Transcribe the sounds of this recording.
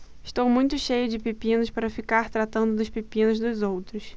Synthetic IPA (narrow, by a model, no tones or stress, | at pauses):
ɪʃt̪owmũj̃t̪ʊʃejʊd͡ʒɪpipĩnʊspaɾɐfikaɾt̪ɾat̪ɐ̃nd̪ʊd̪ʊʃpipĩnʊzd̪ʊzowt̪ɾʊs